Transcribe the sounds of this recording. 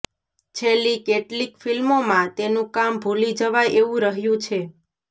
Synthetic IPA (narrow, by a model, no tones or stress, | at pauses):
t͡ʃʰelikeʈlikfilmomãt̪enũkambʱulid͡ʒəʋajʔeʋũɾəɦjũt͡ʃʰe